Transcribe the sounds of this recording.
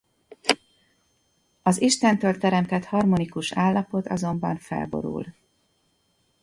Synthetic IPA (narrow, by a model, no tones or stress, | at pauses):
ɒziʃt̪ɛnt̪øːlt̪ɛɾɛmt̪ɛt̪hɒrmonikuʃaːlːɒpo̞t̪ɒ̰zo̞mbɒɱfɛ̰lbo̞̰ɾṵl